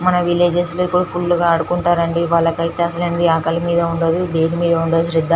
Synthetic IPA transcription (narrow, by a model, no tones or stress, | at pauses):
mɐnɐʋileːd͡ʒesloipːuɽupʰulːɡaːɐɽukuɳʈaːɾɐɳɖiʋaːɭːɐkɐjt̪eːɐsɐlɐnd̪iaːkɐlumiːd̪ɐuɳɖɐd̪ud̪eːɽimiːd̪ɐuɳɖɐd̪uʃɾid̪ːaː